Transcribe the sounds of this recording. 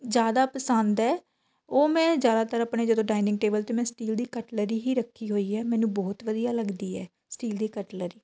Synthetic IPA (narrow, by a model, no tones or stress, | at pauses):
zjaːd̪aːpəsənd̪ɛː | oːmɛ̃ːd͡ʒjaːd̪aːt̪əɾaːpɳeːd͡ʒəd̪õːɖaːinɪ̃ŋɡ̚ʈeːbəlt̪eːmɛ̃ːsʈiːld̪iːkəʈləɾiːɦiːɾəkʰːiːɦoːiːɛːmɛ̃ːnũːbɔːt̪ʋəd̪ijaːləɡd̪iːɛː | sʈiːld̪iːkəʈləɾiː